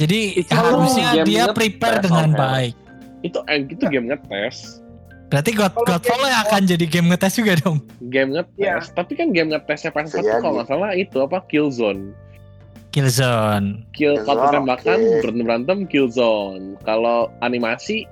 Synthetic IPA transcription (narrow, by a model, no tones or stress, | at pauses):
d͡ʒadiiausaɛdiapɾipɛrdəŋanbaɪk̚ | it̪uɛit̪uɡɛmŋət̪ːɛs | bəɾat̪iɡɔt̪ɡɔt̪fɔlaakand͡ʒadiɡɛmŋət̪ɛsd͡ʒuɡadɔŋɡɛmŋət̪ɛst̪apikanɡɛmŋət̪ːɛsɲapasaukalomasalahit̪uapakilzɔn | kilzɔnkikalokət̪embakanbɾabəɾant̪əmkilzɔnkaloanimasi